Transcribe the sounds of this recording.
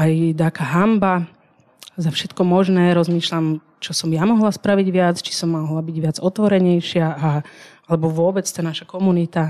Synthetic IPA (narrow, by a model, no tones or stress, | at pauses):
ajd̪aːkaɦamba | zafʃɛt̪kɔmɔʒnɛːɾɔzmiːʃlam | t͡ʃɔsɔmjamɔɦlaspɾaʋiɟʋɪat͡st͡ʃi̥sɔmːɔɦlabiɟʋɪad͡zɔt̪ʋɔɾɛɲɛjʃɪaaalɛbɔʋʊɔbɛt͡st̪aːnaʃakɔmunit̪a